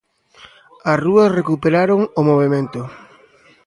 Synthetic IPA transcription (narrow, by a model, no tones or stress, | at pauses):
ɐsruɐsrekupeɾaɾoŋomoβemẽnt̪ʊ